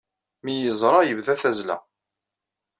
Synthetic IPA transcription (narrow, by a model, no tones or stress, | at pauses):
mijəzˤɾˤɑjəvðæθæzlæ̰